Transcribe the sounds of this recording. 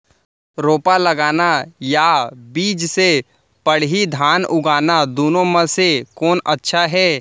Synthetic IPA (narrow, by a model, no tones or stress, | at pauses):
ɾoːpalɐɡaːnajabiːd͡ʒse | pəɽɦid̪ʱaːnʊɡaːnad̪oːnõməsekɔːnʔətːʃʰaɦɛː